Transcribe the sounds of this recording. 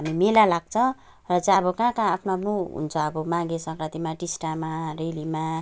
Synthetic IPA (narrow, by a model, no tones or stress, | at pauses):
ɦamimelalaɡ̚t͡sʰʌ | rʌt͡saʌbʌkãkãapʰnoʌpʰnuɦṵnt͡sʰʌːbʌmãɡesʌ̃kɾat̪imaʈisʈamarelima